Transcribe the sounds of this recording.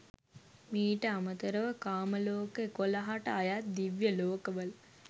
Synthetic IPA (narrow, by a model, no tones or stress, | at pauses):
miːʈəamət̪əɾəʋəkaːməloːkəekolaɦaʈəajat̪̚d̪iʋjəloːkəʋəl